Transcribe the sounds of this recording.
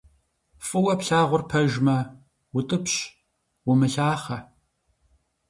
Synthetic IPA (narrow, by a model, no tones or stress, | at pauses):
fʼɨwɐpɬaːʁʷʊrpʰɐʒmɐ | wʊtʼɨpɕ | wʊmɨɬaːχɐ